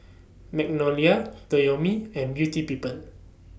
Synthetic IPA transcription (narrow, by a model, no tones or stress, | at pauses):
mɛk̚nɔliatojomiɛ̃nbjutipipəl